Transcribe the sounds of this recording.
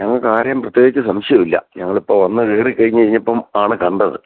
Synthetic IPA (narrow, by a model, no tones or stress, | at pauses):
ɲɐŋːɐɭkaːɾjɐmprɐt̪jeːɡit͡ɕːɨsɐmʂjɐmilːɐ̰ɲɐŋːɐɭipːoːʋɐnːɨeːrikːɐɻiɲːɐɻiɲːɐpːɐmaːɳɨkɐɳɖɐðɨ̰